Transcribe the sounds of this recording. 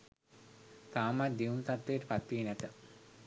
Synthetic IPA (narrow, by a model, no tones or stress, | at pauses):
t̪aːmat̪d̪iunt̪at̪ʋejəʈəpat̪ʋiːnæt̪ə